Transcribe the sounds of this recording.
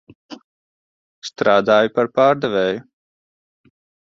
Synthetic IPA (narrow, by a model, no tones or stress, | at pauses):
st̪ɾaːd̪aːjupaɾpaːɾd̪ɛvɛːju